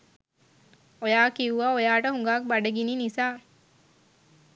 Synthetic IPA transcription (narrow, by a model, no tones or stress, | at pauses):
ojaːkiʋuʋaojaːʈəɦuŋɡaːk̚baɖəɡiniːnisaː